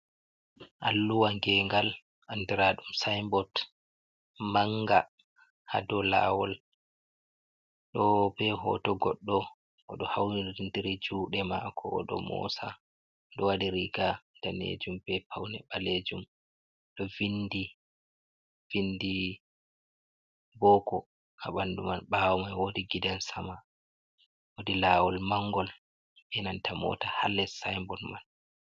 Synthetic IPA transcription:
ʔalːuwaŋɡɛːŋɡal | ʔandiɾaɗumsajmbɔt | maŋɡa | ha̰dɔla̰ːwɔl | ɗɔbɛɦɔ̰tɔɡɔɗːɔ | ʔɔɗɔhawniindiɾid͡ʒuːɗɛma̰kʰɔ̰ːɗɔ̰mɔ̰ːsa | ɗɔwadiɾiɡadanḛd͡ʒumbɛpʰawnɛɓaled͡ʒum | ɗɔvindi | vindi | bɔːkɔ | kaɓandumanɓawɔmajwodiɡidansama | wodilaːwɔlmaŋːɡɔl | bɛnantamɔ̰ːtahalːɛsajmbɔnman

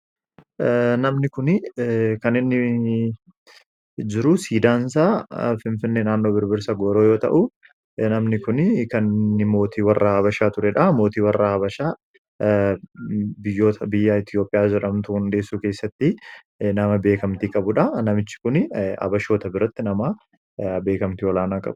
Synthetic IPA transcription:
nɐmnɪkʊnɪkɐnɪnːɪ | d͡ʒɪɾʊsiːd̪aːnsaːfɪnfɪnːeːnaːnːo̞ːbɪɾbɪɾsaɡoːɾo̞ːjo̞ːt̪ɐ̰ʔʊ | nɐmnɪkʊnkɐnnːɪmo̞ːt̪iːwɐrːaːɐβɐʃaːt̪ʊɾɛᶑɐmo̞ːt̪iːwɐrːaːɐbɐʃaː | bɪjːo̞ːt̪ʰɐbɪjːaɪt̪ɪjo̞ːpʼɪjaːd͡ʒɛᶑɐmt̪ʊʊnd̪e̞ːsːuːke̞ːsːɐt̪ːɪ | nɐmɐbe̞ːkɐmt̪iːkʼɐbʊᶑɐnɐmɪt͡ʃːɪ̥kʊnɐ̰bɐʃo̞ːt̪ɐbɪɾɐt̪ːɪnɐma | be̞ːkɐmt̪iɔlaːnaːkʼɐ̰bʊ̥

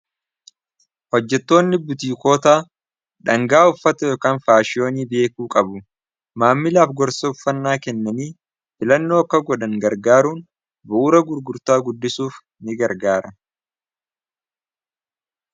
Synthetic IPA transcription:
hɔd͡ʒːɛt̪ːo̞ːnːɪbʊt̪iːko̞ːt̪aː | ᶑɐŋɡaːʊfːɐt̪ɐokaːnfaːʃɪo̞ːniːbe̞ːkuːkʼɐbʊ | maːmːɪlaːfɡɔɾsɐʊfːɐnːaːkɛnːɐniː | fɪlɐnːo̞ːɐkːɐɡɔdɐŋɡɐɾɡaːɾuːn | bʊʔuːɾɐɡʊɾɡʊɾt̪aːɡʊd̪ːɪsuːf | nɪɡɐɾɡaːɾɐ

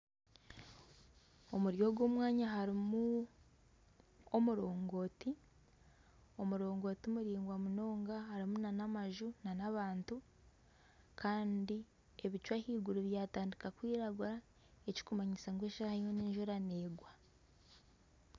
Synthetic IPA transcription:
o̞muɾjo̞ɡwo̞ːmwaːɲaɦaɾimu | omuɾo̞ːŋɡo̞ːti | o̞muɾo̞ːŋɡo̞ːtiumuɾiːŋɡwamuno̞ːŋɡahaɾimunanamaʒunanaβaːntu | kʰaːndi | e̞βit͡ʃwahiːɡuɾuβjaːtaːndikakwiːɾaɡuɾa | eci̥kumaɲisaŋɡweːʃahaimweneːɲʒuɾaneːɡwa

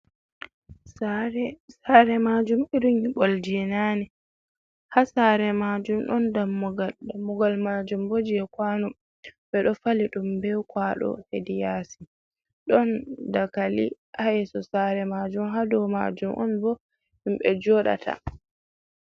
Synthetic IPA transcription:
saɾɛsaɾɛmad͡ʒumiɾuŋiɓɔld͡ʒɛnani | hasaɾɛmad͡ʒumɗɔndamːuɡaldamːuɡalmad͡ʒumbod͡ʒiɛkwanum | bɛɗɔfaliɗumbɛwkwaɗɔ̰hedijasi | ɗɔndakalḭ | ʔaɛsɔsaɾɛmad͡ʒumɦadɔwma̰d͡ʒumʔɔ̰nbɔ | himɓɛ̰d͡ʒɔɗa̰tʰa̰

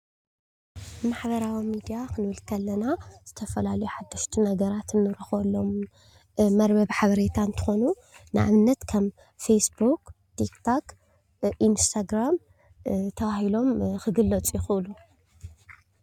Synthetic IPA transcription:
maħbɐɾawimid̪ijakɨnɨbɨlkʰɐlːɐnaz̥ɨt̪ʰɐfɐlalɐjuħad̪ːɨʃt̪ʰinɐɡɐɾat̪ɨnːɨɾɨxolːo̞m | mɐɾbɐβħaβɐɾet̪ʰant̪ʰɨ̥xo̞nu | nɨʔa̰βɨnːɐt̪kʰɐm | fesbuk | t̪ʰikt̪ʰak | ʔinst̪ʰaɡɾam | t̪ʰɐβahilo̞mxɨɡɨlːɐt͡sʼjɪxɨʔɨlu

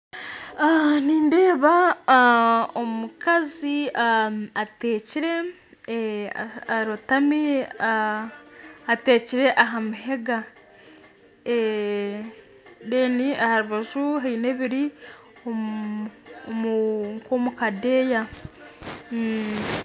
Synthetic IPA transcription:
aniːnde̞ːβa | omukaziaateːciɾe̞ | aɾutami | ate̞ːciɾe̞ʔaɦamuɦe̞ɡa | e | deːniahaɾuβaʒuɦaine̞βiɾi | o | muŋkomukadeːja

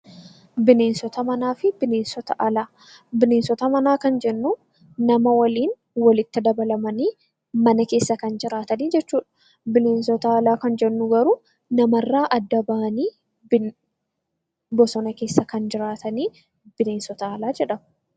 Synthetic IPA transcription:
bɪne̞ːnsɔt̪ɐmɐnaːfɪbɪne̞ːnsɔt̪ɐʔɐlaː | bɪneːnsɔt̪ɐmɐnaːkɐnd͡ʒɛnːu | nɐmɐwɐliːn | wɐlɪt̪ːɪd̪ɐbɐlɐmɐniː | mɐnɐke̞ːsːɐkɐnd͡ʒɪɾaːt̪ɐniːd͡ʒɛt͡ʃːuːᶑɐ̥ | bɪne̞ːnsɔt̪ɐːlaːkɐnd͡ʒɛnːʊɡɐɾuː | nɐmɐrːaːʔɐd̪ːɐbɐʔɐniː | bɔsɔnɐke̞ːsːɐkɐnd͡ʒɪɾaːt̪ɐniː | b̥ɪne̞ːnsɔt̪ɐːlaːd͡ʒɛᶑɐm

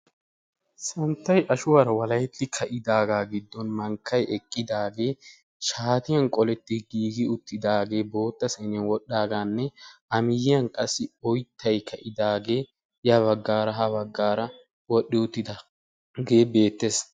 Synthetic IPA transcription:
sɐnt̪ːɐjʔɐʃʊwaːɾɐwɐlɐjt̪ːɪkʰɐʔɪd̪aːɡaːɡɪd̪ːɔnmɐŋkʰːɐjʔɛkʼːɪd̪aːɡe̞ː | ʃaːt̪ɪjɐnkʼɔlɛt̪ːɪɡiːɡɪʊt̪ːɪd̪aːɡe̞ːbo̞ːt̪ːɐsɐnɛnwɔɗːaːɡaːnːɛʔɐmɪjɪjɐnkʼɐsːɪɔjt̪ʰːɐjkʰɐʔɪd̪aːɡe̞ː | jɐβɐɡːaːɾɐɦɐβɐɡːaːɾɐ | wɔɗːɪʊt̪ːɪd̪ɐ | ɡe̞ːbe̞ːt̪ːeːs

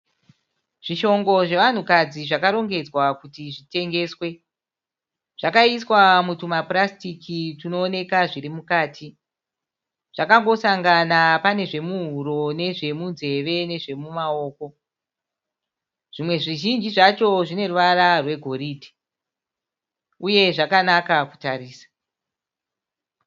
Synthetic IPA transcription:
ʐ̥iʃo̞ŋɡo̞ʐe̞ʋan̤ukad͡ziʐakaɾo̞ŋɡe̞d͡zwakutiʐite̞ŋɡe̞ːswe̞ | ʐ̥akaiswamutumaprastikʰitino̞ːne̞kaʐiɾimukaːtʰi | ʐ̥akaŋɡo̞saŋɡanapane̞ʐe̞muɦuɾo̞ne̞ʐe̞munze̞ʋe̞ne̞ʐe̞mumao̞ːko̞ | ʐ̥imwe̞ʐiʒind͡ʒiʐat͡ʃo̞ʐine̞ruʋaɾarwe̞ɡʱo̞ɾiːdʱi̥ | uje̞ʐakanakaku̥taɾiːsḁ

